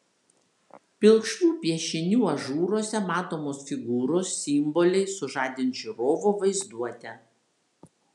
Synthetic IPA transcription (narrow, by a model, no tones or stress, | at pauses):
pʲɪlˠkʃt̪ʲuːpʲiɛʃʲɪnʲuːɐʒuːɾoɔsʲɛmɑːt̪oːmoːsfʲɪɡuːɾoːsːʲɪmbɔlʲɛɪsʊʒɑːd̪ʲɪnt̪ʒʲiɾoːʋoʋɐɪzd̪uɔt̪ʲɛ